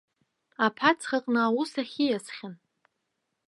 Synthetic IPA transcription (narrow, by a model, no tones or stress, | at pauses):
apʰat͡sʰχaqʼnɨawusaχʲijasχʲan